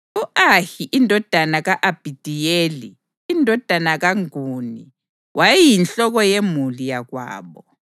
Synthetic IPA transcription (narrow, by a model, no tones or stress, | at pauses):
uʔahiʔindʱɔd̥ʱanaɣaʔab̥ʱid̥ʱijeːliː | ndʱɔd̥ʱanaɣaŋuni | wʔajijinɬɔɣ̬ɔjemulijaɣwa̰ːɓɔ